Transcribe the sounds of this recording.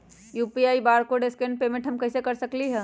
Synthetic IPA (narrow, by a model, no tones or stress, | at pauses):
juːpiaːibaːɾkoɖeskẽɳɖ̚peːmẽɳʈɦəmkəɪsekɐɾsəkliɦɛ̃